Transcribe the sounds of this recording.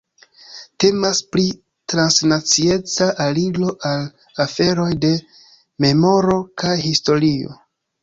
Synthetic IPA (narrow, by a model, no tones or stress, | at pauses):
te̞maspɾi | tɾansnat͡sie̞t͡saʔaliɡlo̞ʔal | afe̞ɾo̞jde̞ | me̞mo̞ɾo̞kajɦisto̞ɾio̞̰